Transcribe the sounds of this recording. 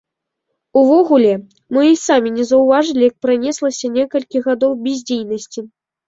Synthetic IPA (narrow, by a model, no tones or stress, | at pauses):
uvɔɣulʲɛ | mɨisamʲinʲɛzɐwvaʐɨlʲijak̚pɾanʲɛslˠɐsʲɐnʲɛkɐlʲkʲiɣad̪ɔwbʲizʲd͡zʲejnɐsʲt͡sʲi